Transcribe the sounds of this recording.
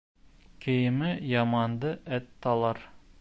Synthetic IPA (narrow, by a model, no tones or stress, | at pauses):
kʰĕjɪ̆mɘjɑmɑnd̪ɤʔæt̪ːɑlˠɑɾ